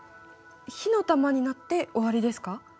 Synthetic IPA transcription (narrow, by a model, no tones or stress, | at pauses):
çino̞t̪amaɲ̟inat̪ːe̞o̞βaɾʲid̪e̞sɨ̥ka